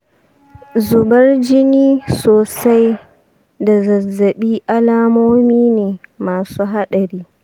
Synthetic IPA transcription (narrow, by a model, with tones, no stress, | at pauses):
zʊ˨bɐ˦rd͡ʒɪ˦niː˦soː˨sa˦j | da˨zɐ˨zːɐ˨ɓiː˦ʔa˦laː˦moː˦miː˦neː˨maː˨suː˦ɦa˦ɗɐ˨ɾiː˦